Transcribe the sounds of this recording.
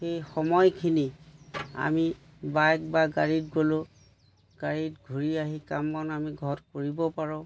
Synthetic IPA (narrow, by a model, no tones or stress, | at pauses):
xejxɔmɔjkʰini | a̰mi | bajk̚baɡaɹid̚ɡolʊ | ɡ̥aɹidɡʱuɹiaɦikamːɔnamiɡʱɔtkoɹibɔpaɹɔ̃